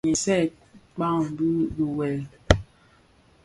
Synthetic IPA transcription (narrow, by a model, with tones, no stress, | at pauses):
ɲɛ˨sɛ˦˨ | k͡pa˦˨ŋ˨bi˦bu˨wɛ˨l